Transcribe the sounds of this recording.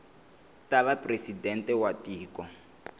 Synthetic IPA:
taβapresidɛntʼɛwatiːkɔ

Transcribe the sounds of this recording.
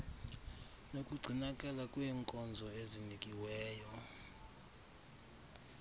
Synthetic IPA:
nokʼuɡ͡ǀʱinakʼɛlakʼwɛːŋkʼɔnd͡zʱɔezinikʼiwɛːjɔ

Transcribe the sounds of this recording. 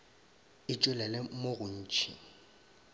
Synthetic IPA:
ɪt͡ʃʼʊlɛlɛmoɣʊn̩ːt͡ʃʰḭ

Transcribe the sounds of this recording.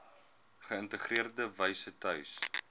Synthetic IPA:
χəəntəχriərdəvəjsətœɥs

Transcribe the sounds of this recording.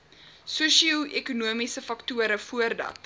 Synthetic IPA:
suʃiəɛkunuəmisəfɐktuəɾəfuərdɐ̰t

